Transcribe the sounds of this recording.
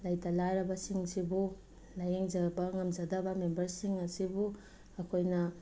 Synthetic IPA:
lajtʰalajɾɐbɐsiŋsibu | lajeŋzɐbɐŋɐmzɐdɐbɐmembɐɾsiŋɐsibu | ɐkʰojnɐ

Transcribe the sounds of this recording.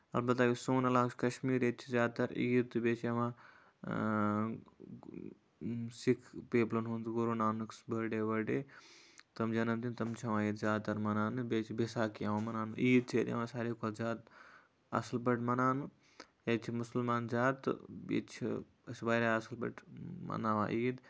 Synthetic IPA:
ɐ̰lbɐt̪ːaːkʲisuːnɐlaːkt͡ʃʰʲkɐʃmiːɾet̪̚t͡ʃʰizʲaːd̪̚t̪ɐɾḭːd̪̚t̪ːɨbeːt͡ʃʰɐʋãː | sikʰpeːplɐnɦund͡zɡuɾunaːnɨksbɐɖeːʋɐɖeːt̪ɐmd͡ʒɐnɐmt̪int̪ɐmt͡ʃʰɐʋãːiːd̪zʲaːd̪̚t̪ɐɾmɐnaːnɨbeːt͡ʃʰibesaːkijɐʋãːmɐnaːnuʔiːd̪̚t͡ʃʰeːd̪jḛʋãːsaːɾiːkʰolzʲaːt̪ | ɐ̰slbɐʈʰmɐnaːnɨ | et͡ʃʰimusɐlmaːnzʲaːt̪ːɨ̰ḛt͡ʃʰi | sbaɾaɐsɐlbɐ̰ʈʰmɐ̰naːʋa̰ːʔiːd̪

